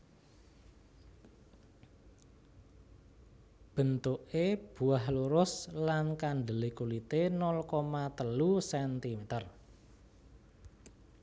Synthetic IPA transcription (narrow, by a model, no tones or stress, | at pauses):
b̥ə̤nt̪ʊʔeb̥ṳahluɾʊslankaɳɖəlikulit̪enɔlkɔmat̪əlusɛnt̪imet̪ər